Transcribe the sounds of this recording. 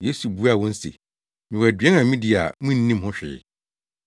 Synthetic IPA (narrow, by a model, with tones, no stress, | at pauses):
je˦su˨bu˦a˨wɔ̃˦n̩˦sḛ˨ | mɪ̃˨wæ˨dɥɛ̃˦nã˨mĩ˦dɪ˨a̰˨mũ˦nː˦ĩ˦m˦hʊ̃˦ɕᶣɪ̰˨˦